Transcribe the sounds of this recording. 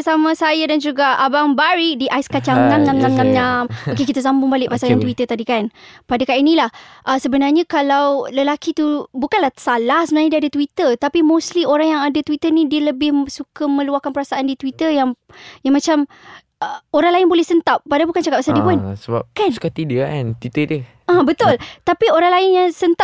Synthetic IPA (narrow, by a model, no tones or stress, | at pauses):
samãsajadand͡ʒuɡaʔabaŋbaɾidiʔajskat͡ʃaŋnamɲamɲamɲamɲamokekit̪as̬ambʊŋbalɪʔpasaljant̪̬wit̪ət̪adikanpadakaʔinilahʔəsəbənarɲakalawləlakit̪ubukanlahsalahsəbənanɲadiadat̪wit̪ət̪apimoslioɾaŋjaŋadat̪wit̪ənĩdiələbɪhsukəmə̃luahkanpəɾasaʔandit̪wit̪əjaŋjaŋmãt͡ʃam | əoɾaŋlaɪnbolɛhsənt̪ap̚ːadabukant͡ʃakap̚asaldiəpʊnsəba̰pkansu̥kat̪idəa̰nt̪it̪ədə | abət̪ʊlt̪apioɾaŋlaɪnjaŋsənt̪a